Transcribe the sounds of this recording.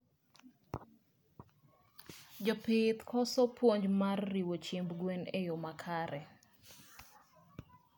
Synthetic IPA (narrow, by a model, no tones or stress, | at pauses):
d͡ʒɔpɪt̪kʰɔsɔpwoɲd͡ʒmarːiwot͡ʃembɡwenejomakʰaɾɛ